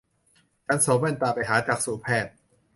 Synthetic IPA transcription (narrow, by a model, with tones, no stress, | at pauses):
t͡ɕa˧˥nsoː˨˦mɛ˧˥˩npaː˨˩pa˨jɦaː˩˦t͡ɕaː˨˩k̚suː˨˩pʰɛː˧˩t̪̚